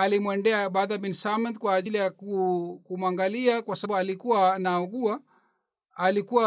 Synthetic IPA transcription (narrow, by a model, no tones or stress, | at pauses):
alimwɛndɛaɓaðaminsamɔnt̪kwaːʄilijakukumwaŋɡaliakwasaɓualikuwanaɔɡua | alikuwa